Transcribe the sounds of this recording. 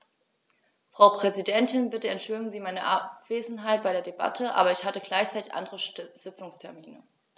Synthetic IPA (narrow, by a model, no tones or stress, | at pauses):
fʁ̥aʊpʁ̥ɛzidɛntʰɪnbɪtəɛntʃv̥øːɡŋ̩ziːmaɪnəʔapv̥eːzn̩ɦaɪt̚b̥aɪɾeːɐdeba̰tʰəʔa̰ːbɐɪçhatəɡlaɪçt͡saɪtɪçʔa̰ndəʁəz̥ɪt͡sʊŋstʰɛɐmiːnə